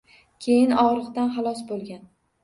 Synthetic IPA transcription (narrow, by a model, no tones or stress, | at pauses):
kʲʰe̞jɪnɒʁɾɨqd̪anχɑlˠɒsbolˠɡʲan